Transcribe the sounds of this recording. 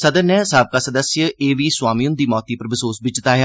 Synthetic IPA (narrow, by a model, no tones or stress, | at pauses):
səd̪ənɛːsaːb̚kaːsəd̪əsjəeːʋiːswaːmiːʊnd̪iːmɔːt̪iːpəɾʋəsoːsbɪt͡ʃɪt̪aːɦjaː